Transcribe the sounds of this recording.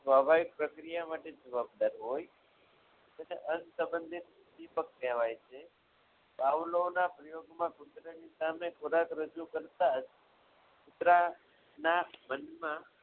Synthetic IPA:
sʋabʱaʋik̚pɾəkɾijamaʈed͡ʒəʋab̚d̪aɾɦoj | əneʔənsəbənd̪ʱit̪̚ | dipək̚t̪ɛʋajt͡ʃʰe | baʋlonapɾəjoɡmãkut̪ɾanisamekoɾakɾəd͡ʒukəɾt̪ad͡ʒ | kut̪ɾa | namənmã

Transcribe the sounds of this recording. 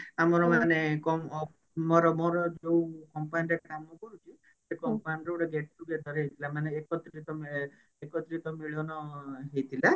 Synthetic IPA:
amɔɾɔmanekɔ | mɔɾɔmɔɾɔd͡ʒoukɔmpajnɾekkamɔkɔɾut͡ʃʰi | sekɔmpajnɾeuɽeɡeʈ̚ɾuɡed̪ʱɔɾeɦet̪ʰilamaneːkɔt̪ɾit̪ɔ | ekɔt̪ɾit̪ɔmiɭɔnɔɦejt̪ʰila

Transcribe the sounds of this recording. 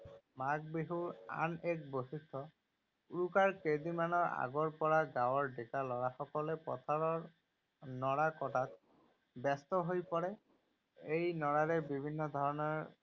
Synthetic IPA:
mak̚biɦuɹa̰nek̚bosit̪ʰːɔ | ukaɹked̪imanɔɹa̰ɡɔɹpɔɹaɡawɔɹɖekalɔɹaxɔkɔlɛpɔ̰t̪ʰaɹɔɹ | nɔɽakɔʈat̪ | bɛst̪ɔɦojpɔɹɛ | ejnɔɽaɾɛbibʱinːɔd̪ʱɔɹɔnɔɹ

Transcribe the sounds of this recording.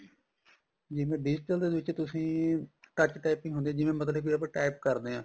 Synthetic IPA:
d͡ʒɪmẽːɖɪd͡ʒɪʈəld̪eːʋɪt͡ʃt̪ʊsĩːkət͡ʃʈaːɪpɪ̃ŋɡɦʊnd̪eːãːd͡ʒɪʋẽːmət̪̬ləbiəpːʈaːɪp̚kəɾd̪eːɦãː

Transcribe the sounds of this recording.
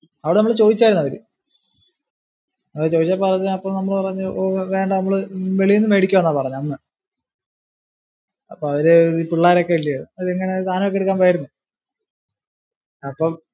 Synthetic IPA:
ɐʋiɽenɐmɐɭt͡ɕo̞ːðit͡ɕːaːjɾunːɐʋɐɾɨ̰ | ɐt͡ɕo̞ːðit͡ɕːaːlpɐrɐɐpːoːmnɐmːɐɭpɐrɐɲːɨoːʋe̞ːɳɖɐnɐmːɐɭɨʋeɭijunːɨmʋe̞ːɽikʲːuʋɐnːaːpɐrɐɲːuɐnːɨ | ɐpːoɐʋɐɾeɾupuɭːaːɾokːe̞iɭːɐjɐðɨɐeŋːɐne̞t̪aːnokːeɽukːaːmpajiɾunːu | ɐpːom

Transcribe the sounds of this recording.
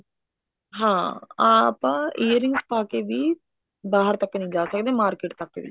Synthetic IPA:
ɦãː | pːãːejɐɾiŋɡspaːkeʋi | baːɦɐɾt̪ɐkːɐnid͡ʒaːsɐɡd̪emaːɾkeːʈt̪ɐkːeʋḭ

